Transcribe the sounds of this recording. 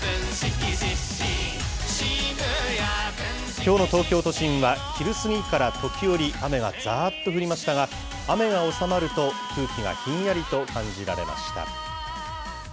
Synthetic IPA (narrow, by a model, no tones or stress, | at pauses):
kʲo̞ːno̞t̪o̞ːkʲo̞ːt̪o̞ɕĩɰ̃βakʲiɾɯ̟sɨɡʲikaɾat̪o̞kʲijo̞ɾʲiʔame̞ɡa̰d͡zaːt̪ːo̞ɸɯ̟ɾʲimaɕi̥t̪aɡa | ame̞ɡao̞samaɾɯ̟t̪o̞ | kɯ̟ːkʲiɡa̰çĩɰ̃jaɾʲit̪o̞kãɲ̟d͡ʑiɾa̰ɾe̞̰mʔa̰ɕi̥t̪a̰